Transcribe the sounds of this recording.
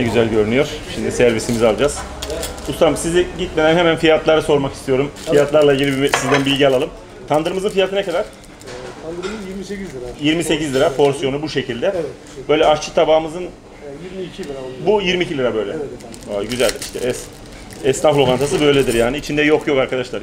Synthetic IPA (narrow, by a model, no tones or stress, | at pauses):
nɛɟyzælʲɟø̞ɾynyjo̞ɾ̥ʃimd̪isæɾvisimizalˠd͡ʒaz̥ | ust̪ʰamsiziɟit̪me̞d̪ænɦemænfijat̪lˠaɾɯso̞ɾmakist̪ʰijo̞ɾumfijat̪lˠaɾlˠaɟilʲisizd̪ænbilʲɟialˠalˠɯm | t̪ʰand̪ɯɾɯmɯzɯnfijat̪ʰɯnakʰad̪aɾ̥ | jiɾmise̞cizlʲiɾapʰo̞ɾsyjo̞nubuʃe̞cʰilʲd̪ɛ | bø̞jlʲɛaɾt͡ʃʰɯ̥t̪ʰabaːɯmɯzɯn | bujiɾmiːcʰilʲiɾabø̞jlʲɛ | ojɟyzælʲiʃt̪ʰɛʔɛs | ɛsnaflˠokant̪ʰasɯbø̞jlʲed̪iɾjaːniːt͡ʃʰind̪ɛjo̞kjo̞kaɾkad̪aʃlˠaɾ